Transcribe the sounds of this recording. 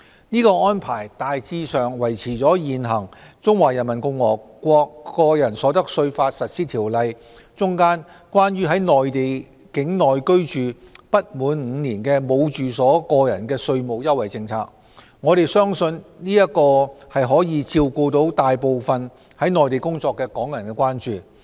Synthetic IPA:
niː˥kɔː˧ɔː˥npʰaː˨˩jt̪aː˨jt͡siː˧sœː˨˩ŋwɐ˨˩jt͡sʰiː˨˩t͡sɔː˨˥jiː˨nɦɐ˨˩ŋt͡sʊ˥ŋwaː˨˩jɐ˨˩nmɐ˨˩nkʊ˧ŋwɔː˨˩kːʷɔː˧kːɔː˧jɐ˨˩nsɔː˨˥t̪ɐ˥k̚sɵ˧ɥfaː˧t̚sɐ˨t̚siː˥t̪ʰiː˨˩wlɐ˨j | t͡sʊ˥ŋkaː˥n | kwaː˥nɥyː˥ɦɐ˨˥jnɔː˨jt̪e˨j | kɪ˨˥ŋnɔː˨jkɵ˥ɥt͡ʃyː˨ | pɐ˥t̚muː˨˧˥nŋ̩ː˨˧niː˨˩nkɛː˧mo˨˧wt͡ʃyː˨˩sɔː˨˥kɔː˧jɐ̰˨˩nkɛː˧sɵ˧ɥmo˨˧wjɐ˥wɐ˨˩jt͡sɪ˧ŋt͡sʰa̰ː˧˥k̚ | ŋɔː˨˧ɾe˨jsœː˥ŋsɵ˧nniː˥jɐ˥t̚kɔː˧hɐ˨jɦɔː˨˥jiː˨˧t͡sʰiː˧wko˧wt̪o˨˥wt̪aː˨jpo˨wfɐ˨n | hɐ˨˥jnɔː˨˩jt̪e˨jkʊ˥ŋt͡sɔː˧kːɛː˧kɔː˨˥ŋjɐ˨˩nkɛː˧kwaː˥nt͡ʃyː˨˩

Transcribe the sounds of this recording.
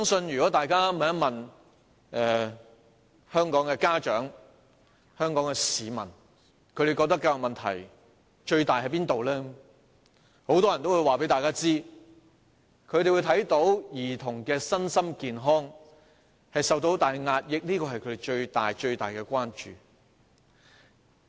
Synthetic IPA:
sœː˥ŋsɵ˧njy˨kɔ˨˥t̪aː˨jkaː˥m˨jɐ˥nmɐ˨n | ʔɛː˨ | hœː˥ŋkɔː˨˥ŋkɛː˧kaː˥t͡ʃœː˨˥ŋ | hœː˥ŋkɔː˨˥ŋkɛ˧siː˨˧mɐ̰˨˩n | kʰɵ˨˧ɾe˨jkɔ˧t̪ɐ˥kːɐ˧wjʊ˨mɐ˨nt̪ʰɐ̰˨˩j | t͡ʃɵ˧ɥt̪aː˨jhɐ˨˥jpiː˥nt̪o˨wlɛː˥ | ho˨˥wt̪ɔː˥jɐ˨˩nt̪o˥wuː˨˧jwaː˨pe˨˥jt̪aː˨jkaː˥t͡siː˥ | kʰɵ˨˧˥t̪e˨jwuː˨˧t̪ʰɐ˨˥jt̪o˨˥wjiː˨˩t̪ʰʊ˨˩ŋkɛː˧sɐ˥nsɐ˥mkiː˨nɦɔː˥ŋ | hɐ˨jsɐ˨wt̪̬o˨˥wt̪aː˨jŋaː˧t̚jɪ˨k̚liː˥kɔː˧hɐ˨jkʰɵ˨˧e˨˩jt͡ʃɵ˧ɥt̪aː˨jt͡ʃɵ˧ɥt̪aː˨jkɛː˧kʷaː˥nt͡ʃy̰ː˨

